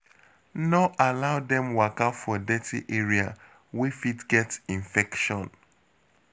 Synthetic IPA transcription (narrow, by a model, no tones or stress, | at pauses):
noʔalaʊdɛ̃mwakafɔdɛtʰiʔeɹia | wifitɡɛtĩɱfɛkʃɔ̃n